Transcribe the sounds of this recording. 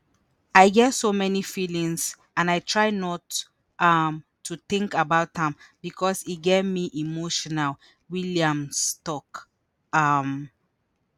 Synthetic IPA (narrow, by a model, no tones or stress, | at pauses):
ajɡɛtsomɛnifilĩŋs | ãnaɪtʰɹaɪnɔt | ʔamʰː | ut̪ĩŋkabaʊtãmbikʰɔsiɡɛvmiʔimoʃɔnal | wiliãmstɔk | am